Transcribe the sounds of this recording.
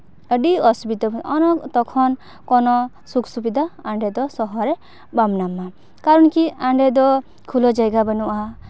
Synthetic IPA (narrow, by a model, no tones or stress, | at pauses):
əɖiɔsubit̪ɔɔnɔkt̪ɔkʰɔn | kɔnɔ | sukʰsubid̪ʱaaɳɖɛd̪ɔsɔɦɔɾɛ | bamnamːa | kaɾɔnkiaɳɖɛd̪ɔ | kʰulɔd͡ʒajɡabənuʔa